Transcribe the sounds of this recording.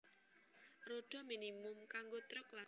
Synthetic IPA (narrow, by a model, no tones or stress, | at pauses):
roɖ̥ɔ̤minimʊmkaŋɡot̪ɾʊkla